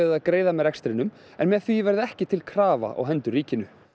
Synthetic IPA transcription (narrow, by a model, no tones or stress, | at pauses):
ɪðaðkɾeːjðamɛðɾɛkst̪ɾɪnːʏm | ɛnmɛðθvivɛɾðɪɛhcɪt̪ʰɪlkʰɾaːva̰ʔɔ̰ɣɦɛnt̪ʏriːcɪnʏ